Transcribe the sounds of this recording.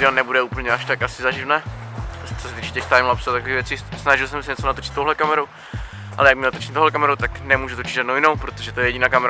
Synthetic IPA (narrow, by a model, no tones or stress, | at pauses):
dɛlnɛbudɛuːpl̩ɲɛaʃt̪akasɪzaʒivnɛ | t͡sosɛt̪iːt͡ʃɛcɛxt̪ajmlapsuat̪akoiːɣvjɛt͡sɪsnaʒɪlsɛmsɛɲɛt͡sonat̪ot͡ʃɪ̥t̪ːowɦlɛkamɛɾow | ʔa̰lɛjakmɲɛlat̪ot͡ʃɪ̥t̪owhɦlɛkamɛɾowt̪aknɛmuːʒut̪ot͡ʃɪd̪ʒaːdnowjɪnowpɾot̪oʒɛt̪ojɛjɛɟɪnaːkamɛɾ